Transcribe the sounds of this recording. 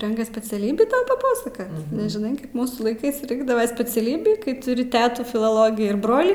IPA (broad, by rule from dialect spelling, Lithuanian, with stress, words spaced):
ˈrʲɛŋkɐs sʲpʲɛt͡sʲɛˈlʲiːbʲiː pɐˈpɑːsɐkɐ nʲɛʒʲɪˈnɐɪ ˈkɐɪp ˈmuːsuː lˠɐɪˈkɜs ˈrʲɪŋɡdɐʋɐ sʲpʲɛt͡sʲɛˈlʲiːbʲiː kɐɪ tʊˈrʲɪ ˈtʲæːtuː fʲɪlˠoːˈlˠoːɡʲiː ɪr ˈbroːlʲiː